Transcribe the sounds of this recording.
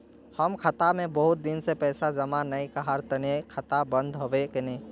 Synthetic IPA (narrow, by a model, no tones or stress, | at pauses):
həmkʰɐt̪amẽbəɦʊt̪̚d̪ɪnsepɛːsazɐmanːɐikaɦaɾt̪ɐnekʰɐt̪abɐ̃nd̪ʱɦoʋekeneː